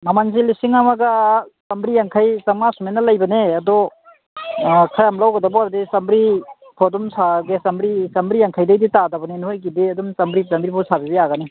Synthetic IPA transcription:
mamanzilisiŋamaɡasɐmbɾijaŋkʰajsaŋmasumenalajbɐneadɔ | kʰajamlawɡɐdabɔaɾdisambɾi | pʰɔdumsaɡesambɾisambɾijaŋkʰajdajditadabɐnenhojɡidiadumsambɾisambɾipʰɔsabibejaɡane

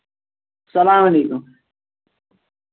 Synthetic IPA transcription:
sɐlaːmɐleːkum

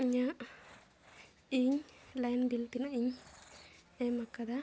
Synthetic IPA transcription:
iɲa | iɲlajnbilt̪inaiɲ | ɛmakad̪a

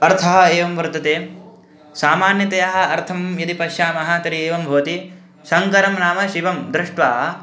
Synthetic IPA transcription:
ɐɾt̪ʰɐɦɐ̆eːʋɐmʋɐɾt̪ɐt̪eː | saːmaːnjɐt̪ɐjaɦɐ̆ɐɾt̪ʰɐmjɐd̪ipɐʃjaːmɐɦaːt̪ɐɾieːʋɐmbʱɐʋɐt̪i | sɐŋkɐɾɐmnaːmɐʃiʋɐmd̪ɾɪʂʈʋaː

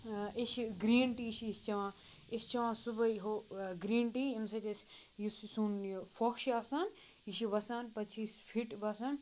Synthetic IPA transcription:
iʃɡɾiːɳʈiʃist͡ʃɐʋãː | ist͡ʃɐʋãːsubɐjɦoɡɾiːɳʈiimsɐt̪ʲɐsʲ | jissunfʰokʃaːsaːn | iʃiʋɐsaːnpɐt͡ʃʰiːspʰiʈbɐsan

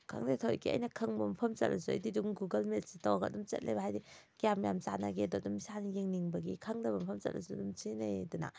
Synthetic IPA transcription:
kʰa̰ŋdetʰojkʰiɐ̰jnɐkʰɐŋbɐmpʰɐmt͡ʃɐt̚lasua̰jdiduŋɡuɡɐlmelsitawaɡɐ̰dumt͡ʃɐ̰t̚lʔḛbahajdi | ɡijamjamsanaɡedɔdumsanijeŋniŋbɐɡikʰaŋdɐbɐmpʰɐmt͡ʃɐ̰t̚lɐ̰sudumt͡ʃinajduna̰

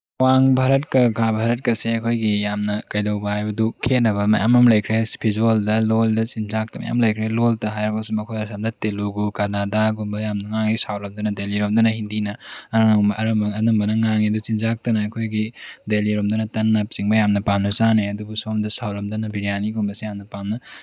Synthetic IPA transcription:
waŋbʱaɾɐtkɐɡabʱaɾɐt̚kɐseɐkʰojɡijamnɐkɐjdɐwbɐhajbɐdukʰenɐβɐmɐ̰ja̰mɐmlɐjkʰɾespʰizualdɐloldɐsinzak̚tɐmɐ̰ja̰mlɐjkʰɾeloltɐɦajɾɐkʰosumɐkʰojɐsamdɐteluɡukɐɾnadaɡumbɐjamnɐŋaŋisawlɐmdɐnɐdeliɾomdɐnɐhindinɐɐɾɐŋmɐʔɐɾɐmbɐŋɐnɐmbɐnɐŋaŋidut͡ʃinzak̚tɐnɐːkʰojɡideliɾomdɐnɐtɐnːɐp̚siŋbɐjamnɐpamnɐsaneɐdubusomdɐsawlɐmdɐnɐbiɾijaniɡombɐsijamnɐpamnɐ

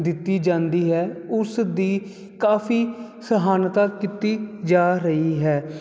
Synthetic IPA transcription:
d̪ɪt̪ːiːd͡ʒãːnd̪iːɦɛːʊsd̪iː | kaːfʰiːsəɦaːnt̪aːkɪt̪iːd͡ʒaːɾəiːɦɛː

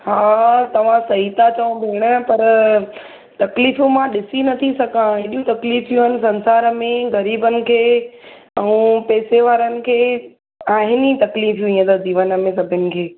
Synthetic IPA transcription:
haːt̪ɐʋ̤ãsɐɦit̪ʰat͡ɕɐũbʱeɪɽ̃ə̆pɐɾ | t̪ɐkliːfũmãɗɪsinɐt̪ʰisɐɡãɦeːɗijũt̪ɐkliːfjũɦənɪ̆sɐ̃nsaːɾəmẽɣɐɾiːbənɪ̆kʰeː | ɛ̃ũpɛːseʋaːɾənɪ̆kʰeː | aːɦɪnit̪ɐkliːfjũĩːə̃t̪əd͡ʑiːʋənə̆mẽs̬ɐbʱənɪ̆kʰeː

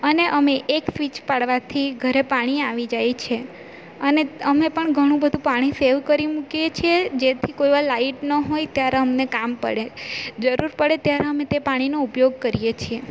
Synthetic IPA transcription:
əneʔəmeʔeksʋit͡ʃpaɽʋat̪ʰiɡʱəɾepaɽ̃iaʋid͡ʒajt͡ʃʰe | əneəmepəɳɡʱəɽ̃ũbəd̪ʱũpaɽ̃iseʋkəɾimukijet͡ʃʰied͡ʒet̪ʰikoiʋalaiʈnəɦojt̪jaɾeəmnekampə̰ɽed͡ʒəɾuɾpəɽet̪jaɾeəmẽt̪epaɽ̃inoupjoɡ̚kəɾijet͡ʃʰie

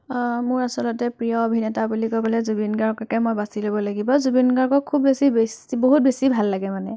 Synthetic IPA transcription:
mʊɹasɔlɔtɛpɹijɔobʱinɛtabulikojpalɛzubinɡaɹkɔkɛmojbasilobɔlaɡibɔzubinɡaɹkɔkkʰːubːesibesboɦut̚besibʱalːaɡɛmanɛ

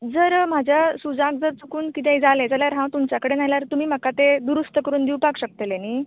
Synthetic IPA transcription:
d͡zəɾm̤ad͡ʑʱjasud͡zak̚d͡zəɾt͡sukuːnkit̪̬ẽd͡zalẽd͡zaljaɾɦãw̃t̪umt͡ɕjakəɽenajljaɾt̪um̤iːm̤əkat̪ed̪uɾust̪əkəɾuːnd̪iwpakɕək̚t̪eleniː

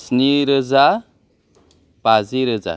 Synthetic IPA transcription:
sniɾəd͡za | pad͡ziɾəd͡za̰

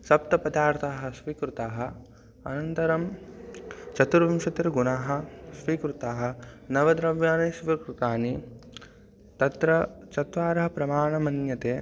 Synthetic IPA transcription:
sɐp̚t̪ɐpɐd̪aːɾt̪ʰaːɦɐ̆sʋiːkɾut̪aːɦɐ̆ | ɐ̰nɐnt̪ɐɾɐm | t͡ʃɐt̪uɾʋɐmʃɐt̪ɾɐɡunaːɦɐ̆ʃʋikɾut̪aːɦɐ̆nɐʋɐd̪ɾɐʋjaːneːʃʋikɾut̪aːni | t̪ɐt̪ɾɐt͡ʃɐt̪ʋaːɾɐɦɐpɾɐmaːɳɐmɐnjɐt̪eː

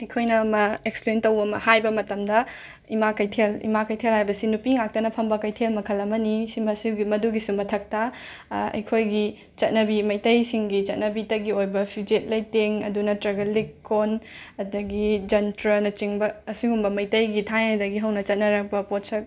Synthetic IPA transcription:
ɐjkʰojnɐːmɐeksplentɐwɐmɐ̰hajbɐmɐtɐmdɐ | imakɐjtʰelḭmakɐjtʰelhajbɐsinupiŋak̚tɐnɐpʰɐmbɐkɐjtʰelmɐkʰɐlɐmɐnisimɐsiɡimɐduɡisumɐtʰɐk̚tɐ | ɐ̰jkʰojɡi | t͡ʃɐt̚nɐbimɐjtɐjsiŋɡit͡ʃɐt̚nɐbitɐɡiojbɐpʰid͡ʒet̚lɐjteŋɐ̰dunɐtɾɐɡɐlikʰːonɐdɐɡid͡ʒɐntɾɐnɐt͡ʃiŋbɐːsiŋumbɐmɐjtɐjɡitʰanɐdɐɡiɦɐwnɐt͡ʃɐt̚nɐɾɐk̚bɐpot̚sɐ

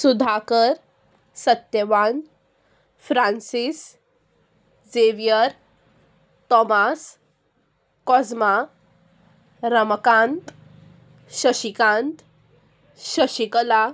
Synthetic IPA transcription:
sud̪ʱakəɾ | sət̪jəʋan | fɾansis | d͡zeʋijəɾ | t̪ɔmas | kɔd͡zma | ɾəməkãnt̪ | ɕəɕikãnt̪ | ɕəɕikəla

